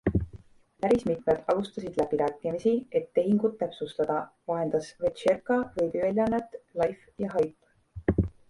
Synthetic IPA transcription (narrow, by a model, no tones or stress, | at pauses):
pæɾismit̪ˑme̞d̪̥ɑlust̪ɑsid̪̥læb̥iɾæːkːˑimisie̞t̪ːe̞ɦiŋɡ̥ut̪ːæpsust̪ɑd̪̥ɑvɑɦe̞nd̪ɑsvet̪ʃerkˑɑvɤjbivelʲjɑnet̪ːlɑjf | jɑɦɑjpː